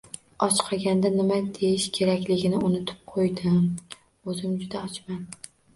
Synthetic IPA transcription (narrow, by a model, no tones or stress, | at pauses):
ɒt͡ʃqʰɑɡʲand̪anɪmad̪ejɪʃkʲʰe̞ɾakʲlɪɡʲɪnɪʊnʊt̪ʰɪ̥p̚qʰojd̪ɪm | ɵzɪmd͡ʒʊd̪aɒt͡ʃman